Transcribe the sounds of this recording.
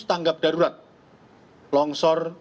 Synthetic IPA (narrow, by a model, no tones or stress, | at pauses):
t̪aŋɡap̚dɖ̥a̤ɾuɾat̪̚ | lɔŋsɔr